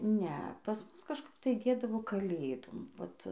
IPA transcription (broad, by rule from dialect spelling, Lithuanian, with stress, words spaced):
ˈnʲɛ pɐs ˈmʊs kɐʃˈkɐp tɐɪ ˈdʲeːdɐʋoː kɐˈlʲeːdoːm ˈʋɐt